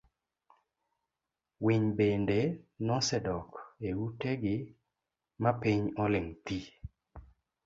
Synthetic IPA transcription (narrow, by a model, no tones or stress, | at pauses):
wiɲbendenɔsɛdɔkeuteɡɪ | mapiɲɔlɪŋt̪i